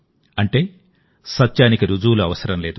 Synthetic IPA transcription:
ɐɳʈe̞ː | sɐtːt͡ʃaːnikɐɾud͡ʒuːluɐʋɐsɐɾɐmle̞ːd̪u

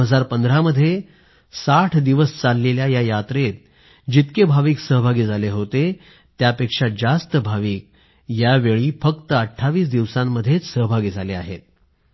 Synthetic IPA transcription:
ɦəd͡zaɾpənd̪ɾaməd̪ʱːje | saʈʰd̪iʋəst͡salːeljajajat̪ɾet̪̚ | d͡ʑit̪kebʱaʋiːksəɦbʱaɡiːd͡zʱaleɦot̪e | t̪japekʂad͡zast̪əbʱaʋiːk̚ | jaʋeɭiːfəkt̪əəʈʰːaʋiːs̬d̪iʋsãmːəd̪ʱjet͡ssəɦbʱaɡiːd͡zʱaleaɦet̪̚

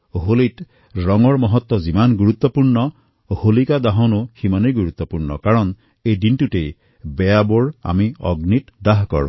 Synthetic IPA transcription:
ɦolit | ɹɔŋɔɹmɔɦɔt̪ːɔzimanɡuɹut̪ːɔpuɹnɔ | holikad̪aɦɔnuximanejɡuɹut̪ːɔpuɹnɔ̰kaɹɔn | ejdintutej | bɛjabɔɹa̰miɔ̰ɡnitdaɦkɔ̰ɹɔ̰̃

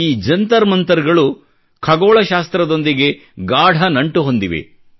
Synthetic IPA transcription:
iːd͡ʒɐnt̪ɐɾmɐnt̪ɐɾɐɡɐɭu | kʰɐɡoːɭɐʃaːst̪ɾɐd̪o̞nd̪iɡe̞ | ɡaːɽʱɐnɐɳʈuɦo̞nd̪iʋe̞̰

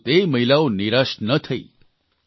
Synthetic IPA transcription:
t̪eməɦilaoniɾaʃnət̪ʰəḭ

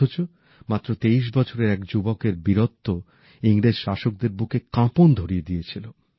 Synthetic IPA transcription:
ot͡ɕo | mat̪ːɾot̪eiʃ̬bɔt͡ɕʰoɾeɾɛkd͡ʑubokeɾbiɾot̪ːo | iŋɾed͡ʑʃaʃok̚d̪eɾbukekãpond̪ʱoɾied̪ijet͡ɕʰilo

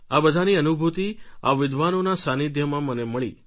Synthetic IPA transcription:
abəd̪ʱaniənubʱut̪ia̰ʋɪd̪ʋanonasanid̪ʱjəmãməneməɭḭ

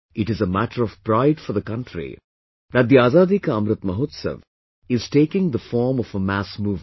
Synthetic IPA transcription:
ɪʈɨzəmæʈəɾɔv̥pɾaɪɖfɔɾd̪əkʌ̃nʈɾḭ | d̪æʈ̚d̪iaːzaːd̪ikʌmɾɨt̪mɐɦoːt̪sə̰ʋ | ɪz̥ʈeːkɪ̃ŋd̪əfɔɾmɔfəmæsmuːv

